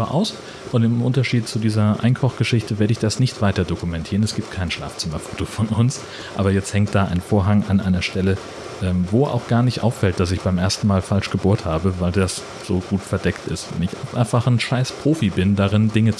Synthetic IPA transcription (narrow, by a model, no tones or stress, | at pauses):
bɐʔa̰ʊs | ʔʊntɪmʔʊntɐʃiːtt͡sudiːzɐʔa̰ɪnkʰɔχɡ̥əʃɪçtəveːɐɾəɪçd̥asnɪçtv̥aɪtɐdokumɛntʰiːʁənɛsɡ̥iːpt̚kʰaɪnʃla̰ːft͡sɪmɐfoːtofɔnʊns | ʔa̰ːbɐjɛt͡sthɛŋt̚d̥aːʔa̰ɪnfoːɐɦaŋʔanʔa̰ɪnɐʃtɛlə | ʔɛːmvoːʔa̰ʊxɡ̥aːɐnɪçtʔa̰ʊfːɛlt̚d̥as̬ɪçb̥aɪmʔeːɐstn̩maːlfalʃɡ̥əboːɐthaːbəvaɪldas | z̥oːɡ̥uːtfɛɐdɛktɪ̰stvnɪçʔapʔa̰ɪnfaχnʃaɪspʁ̥oːfibɪndaʁɪndɪŋət͡s